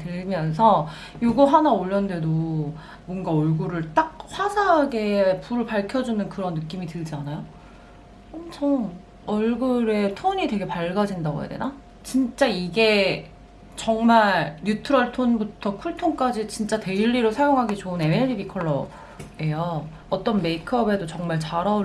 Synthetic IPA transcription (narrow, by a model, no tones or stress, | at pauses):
tɯɭmjʌns̬ʰʌ | joɡoɦanaoʎːʌnde̞do | bʌnɡaʌɭɡuɾɯɭt͈ak̚ɸwasʰaɦɡe̞puɾɯɭpaɭkʰjʌd͡ʑunɯnkɯɾʌnːɯk͈imitɯɭd͡ʑanajo | ʌmt͡ɕʰʌŋ | ʌɭɡuɾe̞tʰoɲitwe̞ɡe̞paɭɡad͡ʑindaɡo̰ja̰de̞na | t͡ɕint͡ɕ͈aiɡe̞ | t͡ɕʌŋmaɭjutʰɯɾʌɭtʰonbutʰʌkʰuɭtʰoŋk͈ad͡ʑit͡ɕint͡ɕ͈ate̞iʎːiɾosʰajoŋɦaɡit͡ɕoɯnemeʎːibikʰʌɭːʌ | ejo | ʌt͈ʌnme̞ikʰʌbe̞dot͡ɕʌŋmaɭt͡ɕaɾʌ